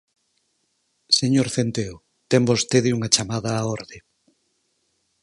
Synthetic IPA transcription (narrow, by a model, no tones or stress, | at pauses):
seɲoɾθent̪eo | t̪ɛmbost̪eðɪuŋɐt͡ʃamaðɐːoɾðe